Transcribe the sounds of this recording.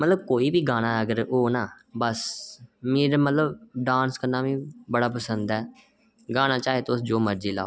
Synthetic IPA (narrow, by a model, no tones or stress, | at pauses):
mət̪ləb̚koːiːʋiːɡaːɽ̃aːəɡəɾoːnaː | bəsmeːɾmət̪ləbɖãːnskənːaːʋĩːbəɽaːp̬əsənd̪ɛː | ɡaːñaːt͡ʃaːɦeːt̪oʊsd͡ʒoːməɾd͡ʒiːla̰ːo